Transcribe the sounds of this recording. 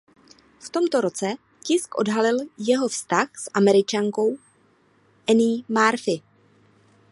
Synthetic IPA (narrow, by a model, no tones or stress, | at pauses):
ft̪o̞mt̪o̞ɾo̞t͡sɛ | cɪskʔo̞̰dɦalɪljɛɦo̞fst̪axsʔamɛɾɪt͡ʃaŋko̞w | ʔɛnɪmaɾfɪ